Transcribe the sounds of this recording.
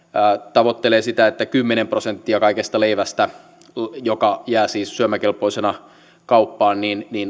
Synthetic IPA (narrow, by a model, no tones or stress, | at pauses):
æːt̪ɑʋot̪ːeleːsit̪æet̪ːækymːenemprosent̪ːiɑkɑikest̪ɑleiʋæst̪æ | jokɑjæːsiːssyømækelpoisenɑ | kɑupːɑːnniːnniːn